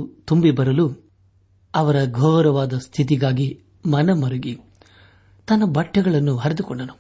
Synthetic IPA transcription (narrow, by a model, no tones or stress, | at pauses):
t̪umbibɐɾɐlu | ɐʋɐɾɐɡʱɔːɾɐʋaːd̪ɐst̪ʰit̪̬iɡaːɡi | mɐnɐmɐɾuɡi | t̪ɐnːɐbɐʈːɐɡɐɭɐnːuɦɐɾɐd̪ukɔɳɖɐnu